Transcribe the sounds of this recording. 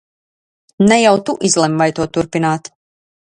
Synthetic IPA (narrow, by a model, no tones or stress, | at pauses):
nɛjawt̪uʔizlˠɛmvajt̪uɔt̪uɾpinaːt̪